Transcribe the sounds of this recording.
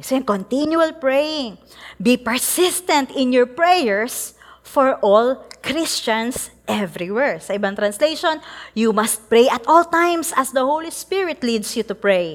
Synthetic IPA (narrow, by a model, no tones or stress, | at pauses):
soɛ̃ŋkɔ̃nt̪injuɐlpɹɛjɪ̃ŋ | bipɛɹsɪst̪ɛ̃nt̪ɪ̃njɔɹpɹɛjɛɹsfɔɹʔɔlkɾɪst͡ʃɐ̃nsʔɛvɾiwɛɹsɐʔɪbãŋt̪ɾɐ̃nslejʃõnjumɐst̪̚pɹejʔɐt̪ʔɔlt̪ãjmsɐsd̪ɐhowlispɪɹɪt̪lid̪sjut̪ʊpɹej